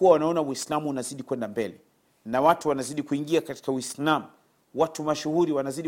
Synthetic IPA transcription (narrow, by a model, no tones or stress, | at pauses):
uwawanaɔnawislamuːnaziɗikwɛndambɛlɛ | nawatuwanaziɗikuiŋɡiakati̥kawislamu | watumaʃuhuɾiwanaziɗi